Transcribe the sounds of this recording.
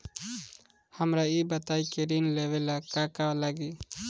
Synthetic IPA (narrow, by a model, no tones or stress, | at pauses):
həmɾaibət̪aikeɾinleʋelakakalaɡiː